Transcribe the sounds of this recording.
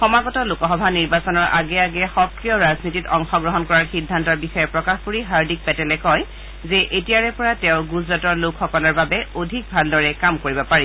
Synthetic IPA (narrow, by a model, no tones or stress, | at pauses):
xɔmaɡɔtɔlʊkɔxɔbʱaniɹbasɔnɔɹʔa̰ɡɛaɡɛxɔkɹijɔɹaznititɔŋxɔɡɹɔɦɔnkɔɹaɹxidʱːantɔɹbixɔjɛpɹɔkaxkuɹiɦaɹdik̚pɛtɛlɛkɔj | zɛʔetiaɹɛpɔɹatɛʊɡuzɹatɔɹlʊkʰxɔkɔlɔɹbabɛodʱik̚bʱaldɔɹɛkamkoɹibɔpaɹɛ